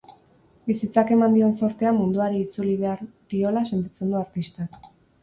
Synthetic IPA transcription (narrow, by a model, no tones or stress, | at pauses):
bisit͡sake̞mand̪io̞nso̞ɾt̪e̞amund̪uaɾiːt͡suliβe̞aɾd̪io̞lase̞nt̪it͡se̞nd̪uaɾt̪ist̪ak